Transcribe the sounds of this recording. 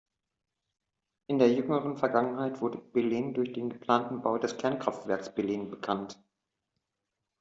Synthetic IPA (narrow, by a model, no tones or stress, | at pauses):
ʔɪndeːɐjʏŋəʁənfɛɐɡaŋənɦaɪtv̥ʊɐdəb̥ɛliːndʊɐçd̥eːnɡəpl̥aːntn̩baʊdɛskʰɛɐnkʁ̥aftv̥ɛɐksb̥ɛliːnbəkʰant